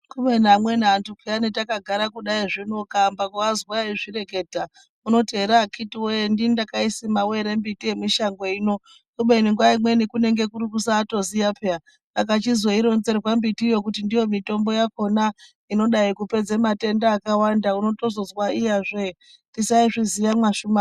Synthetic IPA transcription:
kumenamwe̞naːntukianetakaɡʱaɾakuɗaiʐino̞kambakoazwaiʐire̞ke̞ːdʱa | uno̞teɾakʰitiwendindakaisimawe̞ɾe̞mbitie̞miʃaŋɡo̞ino̞ | kuɓeniŋɡwaimwe̞nikune̞ŋɡe̞kuɾikusaːto̞zijapʰea | akat͡ʃizoiɾo̞nze̞rwambitijo̞k̬utindijo̞mito̞mbo̞jako̞na | ino̞ɗaikupe̞d͡zemate̞ndaːkawandauno̞to̞zo̞zwaijaʐe | tisaiʐizijamwaʃuma

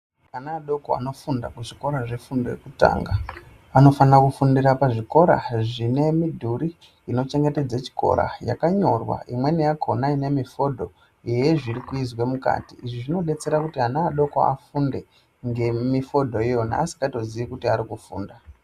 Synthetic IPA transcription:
anaːɗo̞koa̰no̞funda̰kuʐiko̞ɾaʐe̞fundoekuta̰ːŋɡa | ano̞fanrakufundiɾapaʐiko̞ɾa̰ʐine̞midʱuɾiː | no̞t͡ʃe̞ŋɡe̞te̞d͡zat͡ʃi̥ko̰ɾa̰ja̰kaɲo̞rwa̰imwe̞nijakʰo̞naine̞mifo̞dʱo̞ | jejeʐiɾikuizwemuka̰tiiʐiʐino̞ɗe̞t͡se̞ɾakutianaːɗo̞ko̰a̰funde̞ | ŋɡe̞mifo̞dʱo̞ijo̞na̰ːsi̥kato̞ziʋikutiaɾikufṵːnda

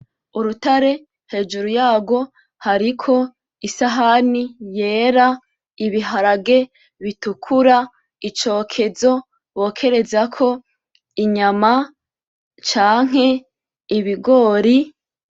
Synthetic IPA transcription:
uɾutaɾe̞ | he̞ːd͡ʒuɾujaːɡo̞ | haɾikʰo̞ | isaɦanije̞ːɾa | iβiɦaɾaɡe̞ | βitukʰuɾa | it͡ʃo̞ːkʰe̞zo̞ | wo̞ːkʰe̞ɾe̞zakʰo̞ | iɲama | t͡ʃaːŋ̥ɦe̞ | iβiɡo̞ːɾi

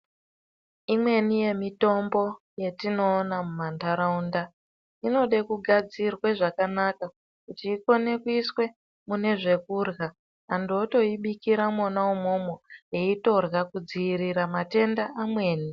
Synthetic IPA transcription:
imwe̞nije̞mito̞mbo̞ | je̞tino̞ːnamumantaɾaunda | ino̞ɗekuɡʱad͡zirweʐakanaka | kutiːko̞ne̞kuiswe̞ | mune̞ʐe̞kuːrɣaː | nduoto̞iɓikiɾamonawumo̞mojeito̞rɣakud͡ziiɾiɾamate̞ndaʔamwe̞ːni

